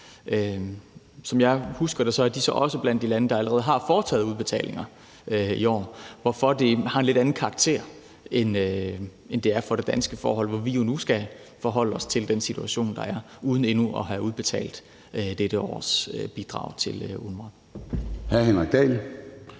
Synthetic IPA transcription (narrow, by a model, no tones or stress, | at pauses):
ʔø | sɒ̽mjɑ̈ɪhusɡ̥ɐɾ̥esɒ̽æɐd̥isɒ̽ʔɒ̽səb̥læn̰d̥ːilænəd̥ɑ̈æləʁɛːð̞̩ˠɦɑ̈fɒːt͡sʰɛ̰ːðˠuð̞ˠb̥e̝t͡sʰɛ̰ːlʔe̝ŋɐ | øiɒ̰ːʋɒfɒ̽d̥ehɑ̈enle̝ɾ̥æn̩kʰɑ̈ɑɡ̥̚t͡sʰe̝̰ɐ̰ | enø | end̥e̝æɐfɒ̽ɾ̥e̝d̥ænsɡ̥əfɒ̰ːɦɒ̽l̰ʋɒʋijo̝nusɡ̥æ | fɒɦɒ̽l̰əɒ̽st͡sʰe̝ld̥ensit͡sʰuæɕo̝̰ːnd̥ɑ̈æɐ | ʔuːð̞ˠn̩e̝nuʔɒ̽ɦæuð̞ˠb̥e̝t͡sʰɛ̰ːld̥ | ød̥eɾ̥əɒ̰ːsøb̥id̥ʁɑ̰̈ʊ̰t͡sʰe̝lunmʁɑn | hæɐhenʁaɡ̥̚d̥ɛ̰l